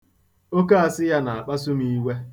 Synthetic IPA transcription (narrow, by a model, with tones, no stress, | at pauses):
o˦ka˦a˨sɪ˦ja˦na˨a˨k͡pa˦s̬u˦mi˦we˦